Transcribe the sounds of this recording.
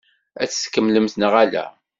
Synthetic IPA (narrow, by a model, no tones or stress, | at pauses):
æ̰t͡sːskːəmːləmθnəʁælæ̰